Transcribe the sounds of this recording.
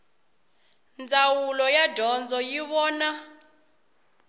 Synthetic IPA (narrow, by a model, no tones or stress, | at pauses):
nd͡zʱawulɔjadʱɔnd͡zʱɔjiɓɔːna